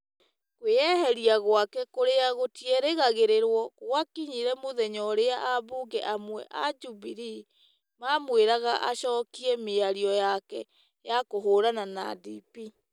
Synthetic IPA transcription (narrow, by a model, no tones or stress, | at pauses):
kweɛhɛɾiaɣwakɛkoɾeaɣotjɛɾeɣaɣeɾeɾwɔɣwakiɲiɾɛmoðɛɲɔɾeaʔaβoɡɛʔamwɛ̰ʔad͡ʒubiɾi | mamweɾaɣaʔaɕɔːkiɛmeaɾiɔjakɛ | jakoɦoːɾanana̰dipi